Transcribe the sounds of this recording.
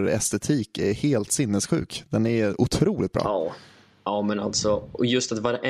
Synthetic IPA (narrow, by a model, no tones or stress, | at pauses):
ɾɛ̰st̪ɛt̪ʰiːkæɾheːlt̪sɪnːɛsɧʉ̟̰ːkd̪̥ɛnæʊt̪ʰɾuːlɪt̪̚bɾɑ̰ː | aːmɛna̰lt̪sɔɔjɵst̪at̪vaɾɛ